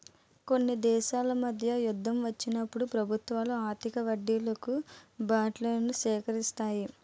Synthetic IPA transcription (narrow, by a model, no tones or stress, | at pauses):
ko̞nːid̪ɛːʃaːlɐmɐd̪ʱjɐjud̪ʱːɐmʋɐt͡ʃːinɐpːuɽupɾɐbʱut̪ʋaːluaːɾt̪ikɐʋɐɖːilɐkubaːʈleːnuʃɛːkɐɾist̪aːji